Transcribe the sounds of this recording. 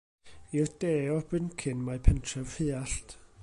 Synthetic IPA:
ird̥eːɔbɪnkʰɪnmajpʰɛntʰrɛvfɪːaɬt

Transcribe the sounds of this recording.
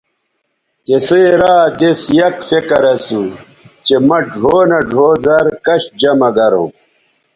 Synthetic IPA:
t̪eseɾaːd̪esjɐkfekɐɾɐsu | t͡ɕemɐɖʱoːnɐɖʱoːzɐɾkɐɕd͡ʑɐmɐɡɐɾõ̰ː

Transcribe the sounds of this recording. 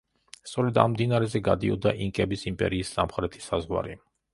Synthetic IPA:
st̪sʼɔɾɛd̪a̰mmd̪inaɾɛzɛɡad̪iɔ̰d̪aʔiŋkʼɛbisimpʼɛ̰ɾiːsːa̰mχɾɛt̪ʰi̥sazʁwa̰ɾi

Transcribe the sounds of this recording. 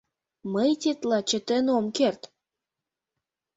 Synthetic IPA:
məjt̪ʲet̪lɑt͡ɕə̆t̪ə̆nomkert̪

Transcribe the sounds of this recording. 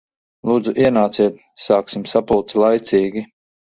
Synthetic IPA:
lˠuːd̪zuʔiɛnaːt̪siɛt̪ | saːksimsapulˠt̪slˠajt̪siːɡʲi

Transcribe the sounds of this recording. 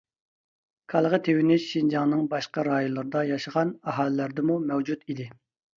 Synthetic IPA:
kʰɑlˠʁət̪ʰewɪnɪʃʃind͡ʒɑŋnɨŋbɑʃqɑɾɑːjolˠəɾɨd̪ɑjɑʃəʁɑnɑɦɑːlɪlæɾd̪ɪmumɛwd͡ʒut̪id̪ɪ

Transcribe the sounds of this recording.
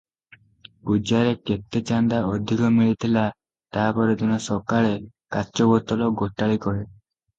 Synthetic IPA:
bud͡ʒaɾeket̪ːet͡ʃand̪aɔd̪ʱikɔmiɭit̪ʰila | t̪aɦapɔɾet̪unɔsɔkaɭe | kat͡ʃɔbɔt̪ɔlɔɡoʈaɭikɔɦe

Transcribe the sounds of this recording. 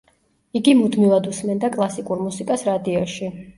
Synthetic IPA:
iɡimud̪milˠad̪usmɛnd̪akʼlˠasikʼuɾmusikʼasɾad̪iɔʃi

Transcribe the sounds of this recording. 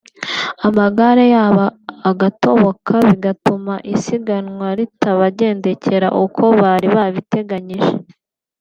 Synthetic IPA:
amaɡaɾejaːβaːɡato̞βo̞kʰaβiɡatumaʔisiɡanŋwaɾitaβaɟe̞ːnde̞ce̞ɾa̰ʔuko̞βaɾiβaβite̞ɡaɲiʒe

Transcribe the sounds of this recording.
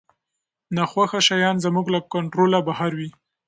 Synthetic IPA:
naxwaxaʃajɑnzamuɡlakaɳʈɾolabahaɾwi

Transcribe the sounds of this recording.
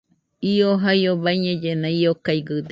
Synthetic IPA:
ioɦajoβaiɲed͡ʒenaiokaiɡɯd̪

